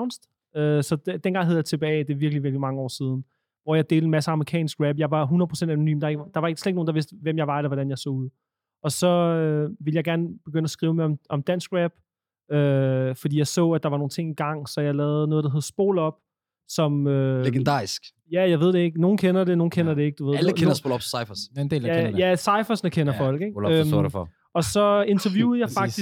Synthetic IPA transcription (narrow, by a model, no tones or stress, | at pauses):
ʊnsd̥ | øsɒ̥̽d̥enɡ̥ɑ̈ŋɦeð̩ˠjɑt͡sʰe̝b̥ɛːd̥e̝ʋiɐɡ̥liʋiɐɡ̥limɑ̈ŋəɒ̰ːsiːð̞ˠn̩ | ʋɒjɑ̈ɪd̥e̝̰ːld̥̩mæsəɑ̈məʁikʰɛ̰ːnsɡ̥ʁæb̥jɑ̈ɪʋɑ̈ɦunɐðˠpʰʁo̥send̥æno̝ny̰ːmd̥ɑ̈e̝ɡ̥d̥ɑ̈ʋɑe̝ɡ̥əsledɡ̚no̝ːnd̥ɑʋe̝sd̥əʋemjɑ̈ɪʋɑ̈elɐʋɒɾ̥ænjɑ̈ɪsɔ̰ːuð̰ˠ | ɒ̽sɒ̽øʋe̝ləjɑɪɡ̥æɐnəb̥e̝ɡ̥ønəæsɡ̥ʁiːʊmɑɪɒ̽mɒ̽md̥æn̰sɡ̥ʁæb̥ | øfɒ̽d̥ḭːjɑ̈ɪsɔ̰̽ːæd̥ɑ̈ʋɑ̈no̝ːn̩t͡sʰe̝ŋ̰iɡ̥ɑ̈ŋ̰sɒ̽jɑ̈ɪlɛːð̩ˠnɔ̽ːð̞ˠd̥aɦe̝ð̞ˠsb̥o̝̰ːlɒ̽b̥ | sɒ̽møleɡ̥end̥ɑ̰̈ːisɡ̥ | jæjɑ̈ɪʋe̝ð̞̰ˠd̥eeɡ̥no̝ːn̩kʰenɐd̥e̝no̝ːn̩kʰenɐd̥ee̝ɡ̥̚d̥uʋe̝ð̰ˠlkenɐsbolɒb̥ssɑɪfɐsend̥ḛːlæjæsɑ̈ɪfɐsnəkʰenɐfɒ̽l̰ɡ̥eɡøɔ̰f | ɒ̽sɒ̽e̝nt͡sʰɐʋjuːð̩ˠjɑ̈fɑ̈ɡ̥i